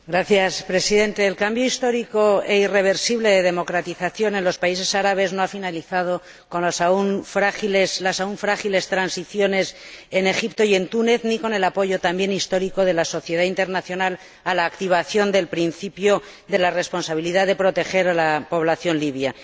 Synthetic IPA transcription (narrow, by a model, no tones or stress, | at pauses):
ɡɾaθjaspɾe̞siðe̞nt̪e̞ːlkambjoist̪o̞ɾiko̞eire̞β̞e̞ɾsiβle̞ðe̞ðe̞mo̞kɾat̪iθaθjo̞ne̞nlo̞spaise̞saɾaβ̞e̞znoafinaliθað̞o̞ | ko̞nlasaunfɾaxileslasauɱfɾaxile̞st̪ɾansiθjo̞nese̞ne̞xipt̪o̞je̞nt̪une̞θniko̞ne̞lapo̞ʝo̞t̪ambje̞nist̪o̞ɾiko̞ðe̞laso̞θje̞ð̞aint̪e̞ɾnaθjo̞nal | alaːkt̪iβ̞aθjo̞nd̪e̞lpɾinθipjo̞ | ðe̞lare̞spo̞nsaβ̞iliðaðe̞pɾo̞t̪e̞xe̞ɾalapo̞β̞laθjo̞nliβja